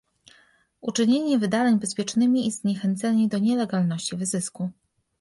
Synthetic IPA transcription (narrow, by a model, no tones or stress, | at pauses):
ṵt͡ʂɘɲeɲɛvɘd̪alɛɲbɛspʲjɛt͡ʂnɘmʲiizɲɛxɛnt̪sɛɲʲid̪ɔɲɛlɛɡalnɔɕt͡ɕivɘzɘsku